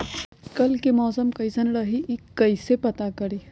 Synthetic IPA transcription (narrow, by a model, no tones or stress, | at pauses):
kɐlkemɔːsəmkəjsənɾəɦiʔikːəisepɐt̪akəɾi